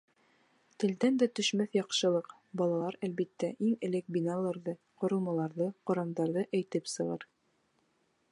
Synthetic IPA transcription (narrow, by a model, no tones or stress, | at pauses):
t̪ɘ̆ld̪ænd̪æt̪ɵ̆ʃmæθjɑqʃɤ̆lˠɤq | bɑlˠɑlˠɑɾælβit̪ːæʔiŋɘ̆lɘk̚binɑlˠɑɾðɤ | qŏɾɤ̆lˠmɑlˠɑɾðɤqŏɾɑmd̪ɑɾðɤʔæjt̪ɘpsɤ̆ʁɑɾ